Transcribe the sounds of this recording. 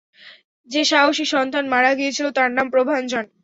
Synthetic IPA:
d͡ʑeʃaoʃiʃɔnt̪anmaɽaɡijet͡ɕʰilot̪aɾnampɾobʱand͡ʑɔn

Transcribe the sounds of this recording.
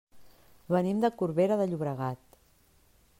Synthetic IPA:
βənimd̪əkuɾβeɾəðəʎuβɾəɣ̞at̪

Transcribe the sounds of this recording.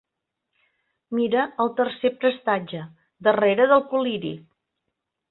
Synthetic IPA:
miɾəəlˠt̪ərsepɾəst̪ad͡ʒə | d̪əreɾəðəlˠkuliɾḭ

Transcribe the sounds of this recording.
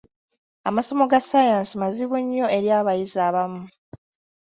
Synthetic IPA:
a̰maso̞mo̞ɡasajaːnsimaziβuɲːo̞e̞ɾjaːβajizaːβamu

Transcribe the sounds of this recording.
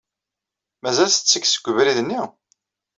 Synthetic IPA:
mæzælsət͡sːəkːsə̥ɡʷːəvɾiðnːi

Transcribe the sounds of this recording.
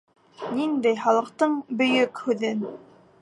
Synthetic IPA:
nind̪æjχɑlˠɤ̆q̚t̪ɤɴbɵ̆jɵkhʉðɘn

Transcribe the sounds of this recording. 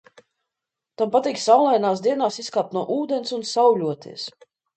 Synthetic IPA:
t̪ampat̪iːksawlˠajnaːsd̪iɛnaːsiskaːp̚t̪nuɔʔuːd̪ɛnsunsawlʲuɔt̪ʰḭɛs

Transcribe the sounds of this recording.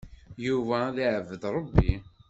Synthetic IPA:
juvæðiʕəvːəd̪ɾˤəbːi

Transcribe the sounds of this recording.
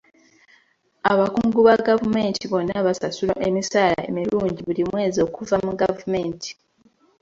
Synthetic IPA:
aβakuːŋɡuβaɡavume̞ːntiβo̞nːaβasasulo̰ʔemisaːla̰emiɾuːɲɟiβulimwe̞ːzio̞kuvamuɡavume̞ːnti̥

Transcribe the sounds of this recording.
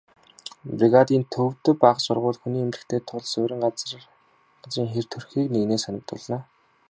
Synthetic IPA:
priɣat̪iːnt̪ʰɵw̥t̪ɵ̆paːχsʊrʁʊːɮxuniːemrɘ̆kt̪ʰeːt̪ʰʊɮsʊːɾʲɪ̆ŋɢat͡s | ɢat͡sriːŋxer̥t̪ʰɵrxiːkneːɣneːsanə̆k̚t̪ʊ̰ɮnaː

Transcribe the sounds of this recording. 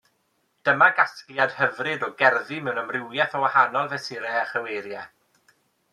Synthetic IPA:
d̥əmaɡaskljad̥həvrɨdɔɡɛrðimɛwnəmrɪwjɛθɔwahanɔlˠvɛsɪɾɛaχəwejɾjɛ

